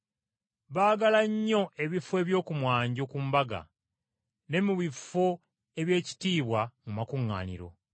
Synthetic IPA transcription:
βaːɡalaɲːo̞ʔe̞βifoe̞ːβjo̞ːkumwaːɲɟokumbaɡa̰ | ne̞muβifːo̞ | e̞βje̞ːci̥tiːβwamumakuŋːa̰ːnḭɾo̞̰

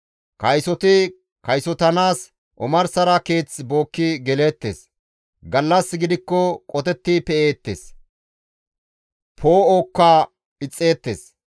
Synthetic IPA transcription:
kɐjsɔt̪ɪ | kɐjsɔt̪ɐnaːs | ʔɔmɐɾsɐɾɐke̞ːt͡sbo̞ːkːɪɡɛle̞ːt̪ːḛːs | ɡɐlːɐsːɡɪd̪ɪkːɔkʼɔt̪ɛt̪ːipɛeːt̪ːḛːs | pʰoːoːkːaː | ɪt͡sʼːe̞ːt̪ːe̞̰ːs

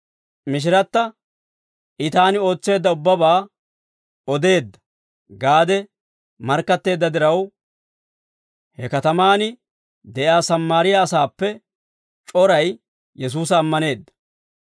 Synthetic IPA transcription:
mɪʃ̬ɪɾɐt̪ːɐ | ʔɪt̪aːnɪo̞ːt͡sːe̞ːd̪ːɐʊbːɐbaː | ɔd̪e̞ːd̪ːɐ̥ | ɡaːd̪ɛ | mɐɾkːɐt̪ːe̞ːd̪ːɐd̪ɪɾɐw | hɛkɐt̪ɐmaːnɪ | d̪ɛʔaːsɐmːaːɾɪjaːsaːpːɛ | t͡ʃʼɔɾɐj | jɛs̬uːs̬ɐːmːɐne̞ːd̪ːɐ̥

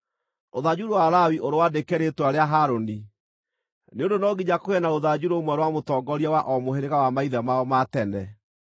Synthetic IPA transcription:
oðad͡ʑuɾowaɾawiʔoɾowadekɛɾetwaɾeaɦaɾoni | neondonɔɡiɲakoɛnaoðad͡ʑuɾomwɛɾwamotɔɡɔɾiawaʔɔmoheɾeɣawamaiðamaɔmatɛnɛ

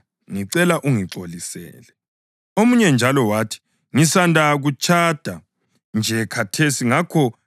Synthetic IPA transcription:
ŋiǀɛlaʔuŋiǀolisɛ̰ːlɛ | omuɲɛnd͡ʒʱalɔwatʰi̥ | ŋisandʱaɣut͡ʃʰʼad̥ʱa | nd͡ʒʱɛkʰatʰesiŋakʰɔ

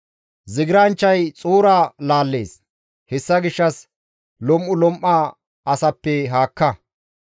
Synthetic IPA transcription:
zɪɡɪɾɐnt͡ʃːɐjt͡sʼuːɾaːlaːlːeːs | hɛsːɐɡɪʃːɐs | lɔmʔʊlɔmʔːa | ɐsɐpːɛɦaːkːɐ

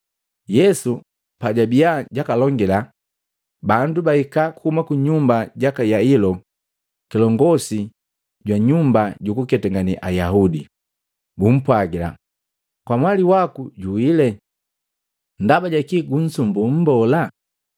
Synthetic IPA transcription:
jɛsu | paɟabiaɟakalɔŋɡɛla | bandubaikakuhumakuɲumbaɟakajailɔ | kilɔŋɡɔsi | ɟwaɲumbaɟukukɛtɛŋɡaniʔajaɦudi | bum̩pwaɡila̰ | kwamwaliwakuɟuwilɛ | ndabaɟakiɡun̩sumbum̩bɔla

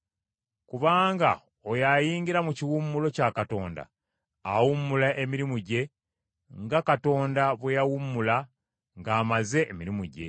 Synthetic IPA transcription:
kuβaːŋɡa̰ | ojajiːɲɟiɾamuciwumːulo̞cakato̞̰ːnda̰ː | wumːulaʔemiɾimuɟe̞ | ŋɡakato̞ːndaβwejawumːula | ŋɡaːmaze̞ʔːmiɾimuɟe̞̰

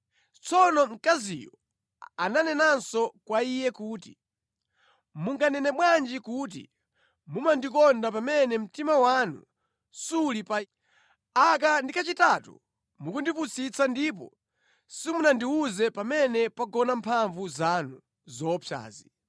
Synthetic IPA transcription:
t͡sɔnɔm̩kazḭjɔ | ananɛnansɔkwaijɛkuːti | muŋɡanɛnɛmwand͡ʒikuːt̬ḭ | mumandikɔndap̬amɛnɛm̩timawanṵ | sulipa | akandikat͡ʃitatṵ | mukundiput͡sit͡sandip̬ɔ̰ | simunandiuzɛpamɛnɛpaɡɔnampʰaɱvuzanu | zɔpʰja̰ːzi

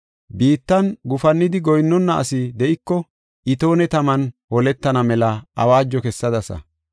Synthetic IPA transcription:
biːt̪ːɐnɡʊfɐnːɪd̪ɪɡɔjnːɔnːɐʔɐ̰sɪd̪ɛʔɪkːɔ | ʔɪt̪o̞ːnɛt̪ɐmɐnhɔlɛt̪ːɐnɐmɛlɐɐ̰waːd͡ʒːɔkɛsːɐd̪ɐsɐ̰

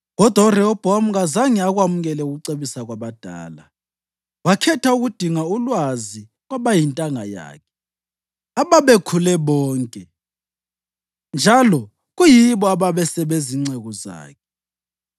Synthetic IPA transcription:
ɣɔd̥ʱwaurɛɔb̥ʱɔamuɣazaŋɛaɣwamuɣɛlɛuɣuǀeβisaɣwaβad̥ʱa̰ːla | wakʰɛtʰauɣud̥ʱiŋaulwazi | ɣwaβajintʼaŋa̰ja̰ːkʰɛ̥ | aβaβekʰulɛβɔːŋkʼɛ | nd͡ʒʱalɔ | ɣujiβɔaβaβɛsɛβeziŋ͡ǀɛɣɔza̰ːkʰɛ

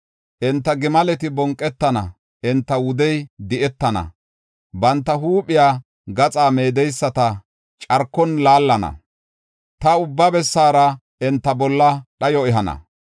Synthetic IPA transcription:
ʔɪnt̪ːɐɡɪmɐlɛt̪ɪbɔŋkʼːɛt̪ːɐnɐ̰ | ʔɪnt̪ːɐwʊd̪ɛjd̪ɪʔɛt̪ːɐnɐ̰ | bɐnt̪ːɐɦuːpʼɪjaː | ɡɐt͡sʼaːme̞ːd̪ɛjsːɐt̪ɐ | t͡ʃʼɐɾkːɔnlaːlːɐnɐ̰ | t̪ɐʊbːɐbɛsːaːɾɐ | ʔɛnt̪ːɐbɔlːɐɗɐjɔɛɦɐnɐ̰

